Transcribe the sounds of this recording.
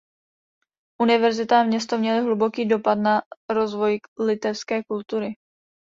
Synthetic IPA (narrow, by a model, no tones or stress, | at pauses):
ʔunɪvɛɾzɪt̪aamɲɛst̪omɲɛlɪɦlubo̞kiːdo̞pat̪naɾo̞zvo̞jlɪt̪ɛfskɛːkult̪uɾɪ